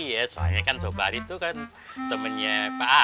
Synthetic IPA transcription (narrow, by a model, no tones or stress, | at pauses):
jɛsoɦa̰ɲakand̥obaɾit̪ukan | t̪əməɲapaa